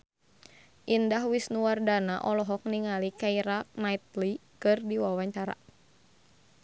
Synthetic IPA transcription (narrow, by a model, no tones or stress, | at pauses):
ʔindahwisnuwardanaʔɔlɔɦɔk̚niŋalikaiɾak̚nait̪̚likɨrdiwawaɲt͡ʃaɾa̰